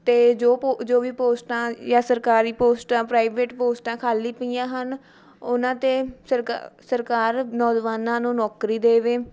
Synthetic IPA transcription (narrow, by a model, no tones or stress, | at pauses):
t̪eːd͡ʒoːd͡ʒoːʋiːpoːsʈãːjãːsəɾkaːɾiːpoːsʈãːpɾaːiʋeːʈpoːsʈãːkʰaːliːpijãːɦən | ʊnãːt̪eːsəɾsəɾkaːɾnɔːd͡ʒʋaːnãːnũːnɔːkɾiːd̪eːʋeː